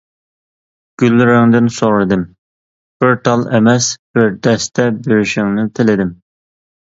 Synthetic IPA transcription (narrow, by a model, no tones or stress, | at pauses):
ɡ̥ʲylːɪɾɪŋd̪ɪnsoɾɨd̪ɨm | b̥øɾt̪ʰɑlˠemɛsb̥ɪɾd̪ɛst̪ɛbøɾyʃɪŋnɪt̪ʰɪlɪd̪ɪm